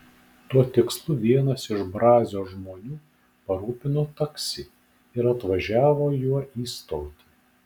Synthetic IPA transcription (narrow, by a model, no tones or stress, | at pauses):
t̪uɔt̪ʲɪkslˠʊʋʲiɛnɐsɪʃbɾɑːzʲoːʒmoːnʲuː | pɐɾuːpʲɪnot̪ɐksʲɪ | ɪɾɐt̪ʋɐʒʲæːʋoːjuɔʔiːst̪oːt̪ʲi